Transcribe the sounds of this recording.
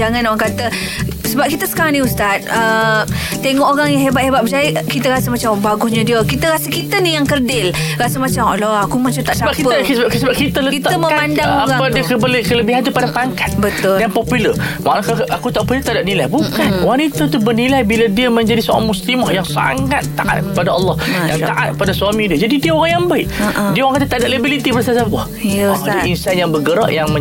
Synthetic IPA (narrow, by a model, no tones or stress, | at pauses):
d͡ʒaŋãnoɣaŋkat̪əsəbap̚kit̪əsə̥kaɾaŋniust̪at̪̚ə | t̪eŋɔʔoɾaŋjaŋɦebat̪̚hebat̪̚bəsajəkit̪əɾasəmat͡ʃambaɡʊhɲadiəkit̪əɾasəkit̪ənijaŋkərdɪl | ɾasəmat͡ʃamɔlɔakumat͡ʃamt̪aʔsət͡ʃabakiəsasəbap̚kit̪ələkit̪aəməamandaoaɾaŋadikəbəlekələbiɦant̪upadapaŋkḁt̪̚bət̪ʊljaŋpɔpylərʔa̰kaakut̪aʔpilət̪adaʔ̚nilajbukanwanit̪at̪ubərnilajbiladiəməɲd͡ʒadiso̰ɾa̰ŋmuslimɔhjaŋsa̰ŋat̪ːaʔa̰t̪̚kəpadaɑlˠːɑhjaŋtt̪aʔa̰t̪̚kpadasuamĩdiəd͡ʒadidiəoɾaŋjaŋbaɪʔʔdiaoɣãŋkat̪at̪aʔdaʔləbilit̪ibərsasapɔ | iədəinsanjaŋbəɡəɾa̰ʔjaŋmə̃